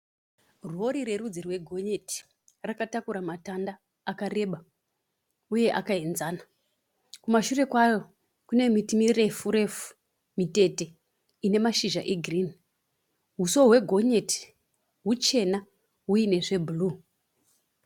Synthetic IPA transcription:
ruo̞ɾire̞rud͡zirwe̞ɡʱo̞ɲe̞ti̥ | rakatakuɾamatandaː | kare̞ɓa | uje̞ʔakaenzaːna | kumaʃure̞kwajo̞ | kune̞mitimire̞fuɾe̞fu̥ | mite̞te̞ | ine̞maʃiʒaʔeɡʱrini | ɦuso̞ɦwe̞ɡʱo̞ɲe̞ti̥ | ɦut͡ʃe̞na | ɦuine̞ʐe̞bʱuluː

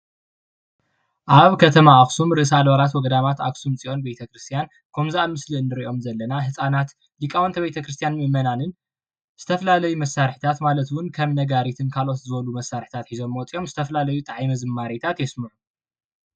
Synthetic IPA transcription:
ʔaβkʰɐt̪ʰɐmaaksumɾɨʔɨsalβaɾat̪wɔɡɐd̪amat̪a̰ksumt͡sʼiʔo̞nbet̪ʰɐkɾɨst̪ʰijan | kʰomzaʔamɨsliɨnd̪ɨɾiʔo̞mzɐlːɐnaɦɨsʼanat̪ | likʼawɐnt̪ʰɐβbet̪ʰɐkɾɨst̪ʰjanmɨmɐnanɨn | z̥ɨt̪ʰɐfɐlalɐjumɐsːaɾħi̥t̪ʰat̪malɐt̪wʊnkʰɐmnɐɡaɾit̪ʰɨnkʰalo̞t̪zɨβɐlumɐsːaɾħi̥t̪ʰat̪ħizo̞mːot͡sʼio̞mzɨt̪ʰɐfɐlalɐjut̪ʼaʕimɐzɨmːaɾet̪ʰat̪jɛsmɨʕu

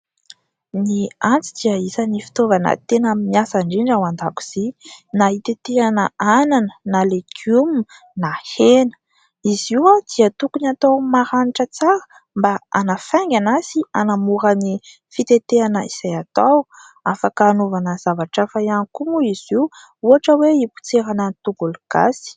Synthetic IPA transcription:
niant͡sid̪̥iəisanifi̥t̪ovanə̰t̪enamimiasaɳɖ͡ʐiɳɖ͡ʐawand̪aku̥z̥inait̪et̪eanəananənalekʰum | nahenə̥ | iziwad̪̥iət̪ukunat̪awmaɾaniʈ͡ʂət͡saɾə̥ | mbaa̰nafaŋɡʲanasianamuɾani | fit̪et̪eanəiz̥ajat̪aw | afakaːnovanəz̥avaʈ͡ʂafajankumuiz̥iw | uaʈ͡ʂəweipu̥t͡seɾanənit̪uɡuluɡ̥a̰si̥

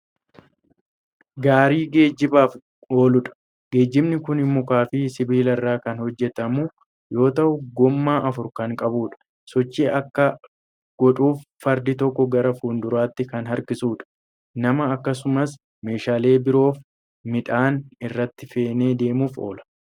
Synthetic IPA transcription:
ɡaːɾiːɡe̞ːd͡ʒːɪbaːf | o̞ːlʊᶑɐ̥ | ɡe̞ːd͡ʒːɪbnɪkʊnɪmːɔkaːfɪsɪbiːlɐɪrːaːkɐnhɔd͡ʒːɛt̪ɐmu | jo̞ːt̪ɐʔʊɡɔmːaːʔɐfʊɾkɐŋkʼɐbuːᶑɐ̥ | sɔt͡ʃːiːɐkːɐ | ɡ̥ɔᶑuːfːɐɾd̪ɪt̪ɔkːɔɡɐɾɐfuːnd̪ʊɾaːt̪ːɪkɐnɦɐɾkɪsuːᶑɐ̥ | nɐmɐːkːɐsʊmɐs | me̞ːʃaːle̞ːbɪɾo̞ːf | mɪᶑ̪aːnɪrːɐt̪ːɪfe̞ːne̞ːd̪e̞ːmuːfo̰ːlɐ̥

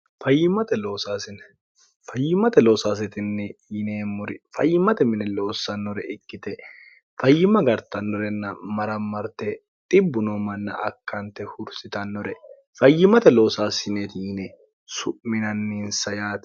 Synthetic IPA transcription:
fɐjːɪmɐt̪ɛloːsaːsɪn | fɐjːɪmɐt̪ɛloːsaːs̬ɪt̪ɪnːɛːneːmːʊɾɪfɐjːɪmɐt̪ɛmɪnɛlo̞ːsːɐnːɔɾɛʔɪkːɪt̪ɛ | fɐjːɪmɐɡɐɾt̪ɐnːɔɾɛnːɐmɐɾɐmːɐɾt̪e | t̪ʼɪbːʊnoːmɐnːɐ̰ʔɐkːɐnt̪ɛhʊɾsɪt̪ɐnːɔɾɛ | fɐjːɪmɐt̪ɛlo̞ːsaːsɪnet̪inɛ | sʊʔmɪnɐnːiːnsɐjaːt̪

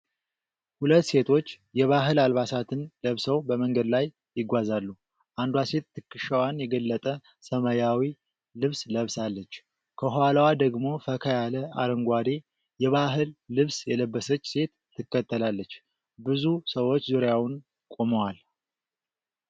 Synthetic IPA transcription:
hulət̪ːse̞t̪ʰo̞t͡ʃː | jɛβaɦɨlalβasat̪ʰɨnləβsəwbəməŋɡəd̪lajːɪɡʷazalːu | ʔand̪wase̞t̪t̪ʰːɨkːɨʃəwanjɛɡəlːət̪ʼə | səməjawi | lɨβsləβsalːət͡ʃː | kʰəɦalwad̪əɡmo̞fəkʰəjaləa̰ɾəŋɡʷad̪e̞ | jɛβaɦɨlːɨβsjɛləbːəsət͡ʃːse̞t̪ʰːɨkːət̪ʰːəlalːət͡ʃː | bɨzusəwo̞t͡ʃːzuɾjawʊn | kʼo̞məwal

